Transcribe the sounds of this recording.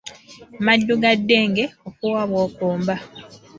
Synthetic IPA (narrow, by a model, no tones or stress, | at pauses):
madːuɡadːeːŋɡeokuwaβwoːkuːmba